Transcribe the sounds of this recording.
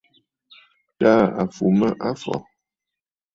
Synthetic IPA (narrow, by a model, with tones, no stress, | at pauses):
ta˦a˨fu˨mə˦ʔa˦fɔ̰˨